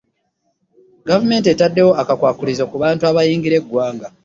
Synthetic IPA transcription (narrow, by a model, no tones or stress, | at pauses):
ɡavume̞ːnt̬ietadːe̞wo̞akakwaːkulizokuβaːntuaβajiːŋɡiɾe̞ɡːwaːŋɡa